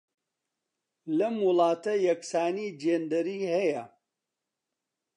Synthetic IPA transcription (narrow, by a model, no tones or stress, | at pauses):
lɐmwʊlˠɑːt̪ɐjɐksaːniːd͡ʒeːnd̪ɐɾiːhɐjɐ